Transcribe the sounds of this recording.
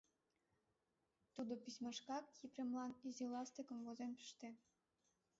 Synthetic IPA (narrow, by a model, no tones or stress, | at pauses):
t̪ud̪opisʲmɑʃkɑkjipremlɑnizilɑst̪ekə̆mɣozenpə̥ʃt̪e